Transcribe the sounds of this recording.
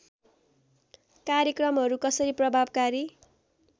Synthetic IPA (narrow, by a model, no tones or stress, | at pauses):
kaɾjekrʌmɦʌɾukʌsʌɾiprʌbʱabkaɾi